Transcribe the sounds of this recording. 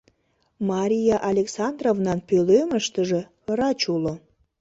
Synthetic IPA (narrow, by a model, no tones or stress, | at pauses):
mɑɾʲijɑʔɑlʲeksɑnd̪rovnɑnpøløməʃt̪əʒe | rɑt͡ɕulo